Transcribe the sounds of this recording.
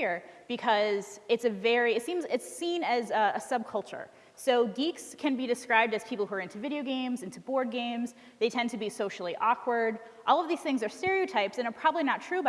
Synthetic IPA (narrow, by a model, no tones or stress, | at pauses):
ɹb̥ɨkʰʌzɨtsɨvɛɹiɨtsĩmzɪtsĩnɨzʌəsʌb̚kʰʌlˠt͡ʃə̰˞ | soʊɡikskʰɨ̃nbidɨskɹaɪb̚dɨz̥pʰipl̩ˠhuə˞ɪ̃ntʰʉvɪɾioʊɡẽɪ̃mzɪ̃ntʰʉbɔɹd̚ɡẽɪ̃mz | ðeɪtʰɛ̃ntʰɨbisoʊʃl̩ˠiʔɔkʰwə˞d | ʔɔlˠʌvðiz̥θɪ̃ŋzə˞stɛɹioʊtʰaɪpsɨ̃nə˞pʰɹ̥ɑbəbliñətʰɹ̥ʉ